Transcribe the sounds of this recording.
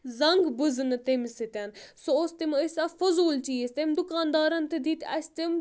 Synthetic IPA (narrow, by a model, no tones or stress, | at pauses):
zɐŋɡbɨzɨnɨt̪emsɨt̪ɐnsoost̪iməsʲɐfɐzuːlt͡ʃiːst̪emd̪ukaːnd̪aːɾɐnt̪ɨd̪it̪ʲɐsʲt̪im